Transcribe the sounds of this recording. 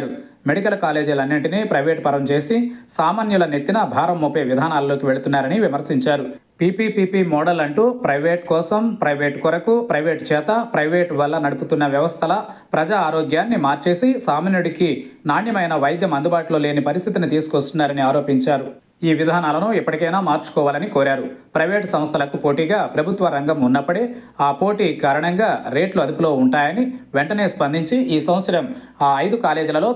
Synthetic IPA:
ɾu | me̞ɽikɐlkaːle̞ːd͡ʒulɐnːiɳʈineːpɾɐjʋeːʈ̚pɐɾɐmt͡ʃe̞ːsisaːmaːnjulɐne̞t̪ːinɐbʱaːɾɐmːuːpeːʋid̪ʱaːnaːlɐlo̞ːkiʋe̞ɭut̪unːaːɾɐniʋimɐɾsiɲt͡ʃaːɾu | pipipiːpimɔːɽɐlɐɳʈuːpɾɐjʋeːʈkɔːsɐmpɾɐjʋe̞ːʈkɔɾɐkupɾɐjʋeːʈt͡ʃɛːt̪ɐpɾɐjʋeːʈʋɐlːɐnɐɽuput̪unːɐʋjɐʋɐst̪ʰɐlɐ | pɾɐd͡ʒaːɾoːɡjaːnːimaːɾt͡ʃe̞ːsisaːmɐnjuɽikinaːnjɐmɐjnɐʋɐjd̪jɐmɐnd̪ubaːʈlo̞ːle̞ːnipɐɾist̪ʰit̪init̪iːsu̥kʋɐst̪unːaːɾɐniaːɾo̞ːpiɲt͡ʃaːɾu | iːʋid̪ʱaːnaːlɐnuipːɐʈikɐjnaːmaːɾt͡ʃu̥kɔːʋaːlɐnikoːɾaːɾupɾɐjʋe̞ːʈsɐm̃ɐst̪ʰɐlɐkupo̞ːʈiːɡaːpɾɐbʱut̪ʋɐɾɐŋɡɐmunːɐpːɐɽeː | aːpoːʈiːkaːɾɐɳɐŋɡaːɾe̞ːʈluɐd̪upulo̞ːuɳʈaːjɐniʋɛɳʈɐne̞ːspɐnd̪ʱiɲt͡ʃiʔiːsɐwʋɐt̪sɐɾɐm | aːɐjd̪ukaːle̞ːd͡ʒilɐlo̞ː

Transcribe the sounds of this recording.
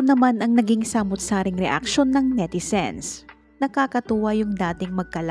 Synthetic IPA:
nɐmanɐŋnɐɡiŋsamʊt̪̚saːɾɪŋɾɛʔa̰k̚ʃo̞nːɐŋmɛd̪ɪsɛ̰ns | nɐkaːkɐt̪uːwɐjʊŋd̪aːt̪ɪŋmɐɡ̚kɐl

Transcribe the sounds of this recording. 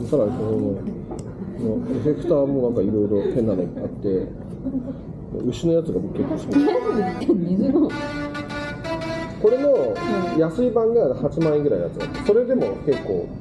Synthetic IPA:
saɾaɲ̟isonono | noeɸe̞kɯ̟̥t̪aːmo̞ːnãŋkaiɾo̞iɾo̞hẽ̞nːaneat̪ːe̞ | mo̰ɯ̟ɕino̞jat͡sɨɡabokɯ̥kːekːosi̥mit̪ːn | ko̞ɾe̞mo̞jasɨibãŋɡahat͡ɕimaĩŋɡɯɾainjat͡sɨa̰t̪ːe̥so̞ɾe̞d̪e̞mo̞ke̞kːo̞̰ː

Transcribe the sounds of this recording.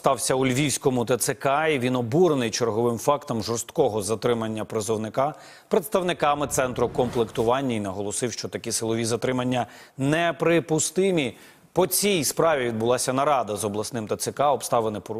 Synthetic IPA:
st̪ɑwsʲɐʊlʲʋʲiwsʲkɔmʊt̪ɐt̪sekɑiʋʲinɔbuɾnɪjt͡ʃerɦɔʋɪmfɑkt̪ɔmʒɔrst̪kɔɦɔzɐt̪ɾɪmɐnʲːɐpɾezɔwnɪkɑ | pɾet̪st̪ɐwnɪkɑmɪt̪sɛnt̪ɾʊkɔmplˠɪkt̪ʊʋɑnʲːɐinɐɦɔlˠɔsɪwʃt͡ʃɔt̪ɐkisɪlˠɔʋʲizɐt̪ɾɪmɐnʲːɐnɛpɾɪpʊst̪ɪmʲi | pɔt͡sʲijspɾɑʋʲiʋʲid̪̚bʊlˠɑsʲɐnɐɾɑd̪ɐzɔblˠɐsnɪmt̪ɐt̪sɪkɑɔbst̪ɑʋenɪpɔ

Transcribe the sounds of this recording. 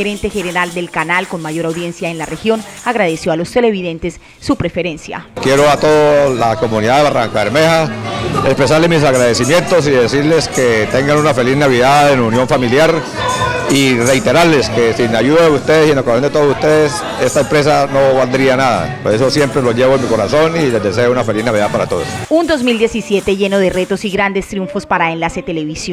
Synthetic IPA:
eɾe̞nt̪e̞xeneɾald̪e̞lkanalko̞nmaʝo̞ɾawðje̞nsjaenlarexjo̞naɣɾað̞e̞sjo̞alo̞st̪e̞le̞βiðe̞nt̪e̞sː | upɾe̞fe̞ɾe̞nsja̰kjeɾoat̪oðolako̞muniðaðeβaraŋkaeɾmehaespɾes̬aɾlemis̬aɣɾaðe̞simje̞nt̪os̬iðe̞siɾle̞sket̪eŋɡanunafe̞lisnaβiðaenunjo̞ɱfamiljaɾ | ire̞jt̪e̞ɾaɾle̞skesinaʝuðaðeust̪e̞ðesienlakoasjond̪et̪oðosust̪eðes | e̞st̪aempɾe̞s̬ano̞βald̪ɾianaða̰poe̞so̞sje̞mpɾe̞loʝe̞βoenmiko̞ɾasonile̞zd̪e̞se̞ounafe̞liznaβiðapaɾat̪o̞ð̞o̰sund̪o̞zmild̪je̞sisje̞t̪e̞ʝe̞no̞ðe̞re̞t̪o̞siɣɾand̪e̞st̪ɾjuɱfo̞spaɾaenlaset̪ele̞βisjo

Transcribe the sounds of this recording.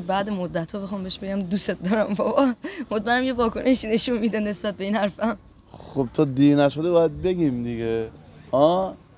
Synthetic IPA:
bæːd̪emod̪ːæt̪hɔːbexɒːmbeeʃbeɡæmd̪use̞t̪̚d̪ɒːɾæmbɒbɒmot̪mæɾæmjevɒːkonʔeʃine̞ʃunmid̪æne̞sbæt̪̚be̞iːnhæɾfæm | xob̚t̪ʰɒːd̪iːɾnæʃod̪ebɒːjæd̪̚beɡʲiːmd̪iɡe | hɒː

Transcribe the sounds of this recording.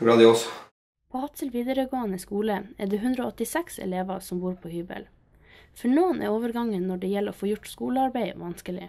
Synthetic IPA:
ɾɑːd̪ɪoːs | pʰoːhɑt̪səlʋiːd̪əɾəɡoːɑnəskuːləæɖeːɦʉnd̪ɾəoːɔt̪ɪsɛksɛ̰leːʋɑsɔmbuːɾpʰoːhyːbə̰l | fɔɳoːnʔæ̰ːoːʋəɾɡɑŋːənːɔɖeːjɛlo̰ːfoːjʊʈskuːləɑɾbæɪʋɑnskəlɪ̰

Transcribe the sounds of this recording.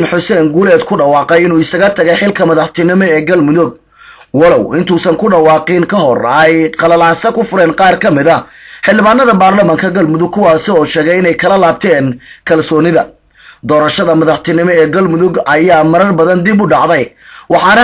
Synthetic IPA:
nħʊsɛːŋɡuːlɛːd̪kʰʊɖɐwɑːqɛjɪnuːɪsɐɣɐt̪ʰɐɣɛjħɪlkʰɐmɐðɑħt̪ʰɪnɪmɔɛːɡɐlmʊðʊɡ̚ | wɐlɔwɪnt̪ʰuːsɐŋkʰʊɖɐwɑːqɪŋkʰɐɦɔrɛjqɑlɐlaːsɐkʰʊfʊɾɛːnqɑːrkʰɐmɪðɐħɪlːɪβaːnːɐðɐbaːrlɐmaːŋkʰɐɡɐlmʊðʊɡ̚kʰʊwɑːsɪɔːʃɛːɣɛjɪnɛjkʰɐlɐlaːb̚t̪ʰɛːnkʰɐlsɔːnɪðɐ | d̪ɔːɾɐʃɐðɐmɐðɑħt̪ʰɪnɪmɔɛːɡɐlmʊðʊɡɐjaːmɐɾɐrbɐðɐnd̪ɪbʊɖɑʕðɛj | wɑħɑːnɐ

